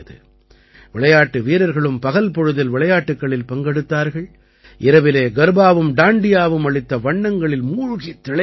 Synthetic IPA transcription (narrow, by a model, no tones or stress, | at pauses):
ɐðɯ̰ | ʋɪɭɐjaːʈːɯʋiːɾɐɾɣɐɭɯmpɐɣɐlpɔɻɯðɐlʋɪɭɐjaːʈːɯkːɐɭɪlpɐŋɡɛɽɯt̪ːaːɾɣɐɭ | ʔɪɾɐʋɪleːɡɐɾbaːʋɯmɖaːɳɖɪjaːʋɯmɐɻɪt̪ːɐʋɐɳːɐŋɡɐɭɪlmuːɻʊɣit̪ːɪɭɐ